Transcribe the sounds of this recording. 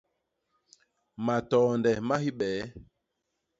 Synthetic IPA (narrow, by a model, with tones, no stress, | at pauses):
ma˨tɔː˨ndɛ˨ma˦hi˦ɓɛː˨˦